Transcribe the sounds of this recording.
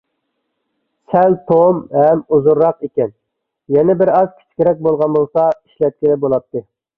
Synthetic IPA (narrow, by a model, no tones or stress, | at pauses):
sɛlt̪ʰomhɛmuzuɾːɑqekʲɛn | jɛnɛbɪɾɑz̥kʲʰi̥t͡ʃʰi̥kʲeɾɛk̚ʲbolˠʁɑnbolˠsɑiʃlɛt̪̚kʲɪlɪbolˠɑp̚t̪ʰːɨ